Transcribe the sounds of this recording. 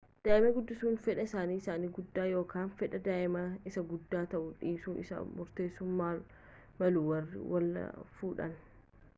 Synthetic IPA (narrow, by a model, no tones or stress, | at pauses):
d̪̥aːʔɪmɐɡʊd̪ːɪsuːnfɛᶑɐɪsaːniːɪsaːniːɡʊd̪ːaːjo̞ːkaːnfɛᶑɐd̪aːʔɪmɐɪsɐɡʊd̪ːaːt̪ɐʔʊᶑiːsuːnɪ̰sɐ̰mʊɾt̪e̞ːsʊmːaː | mɐluwɐrɪ̰wɐl̰fuːᶑɐ̰n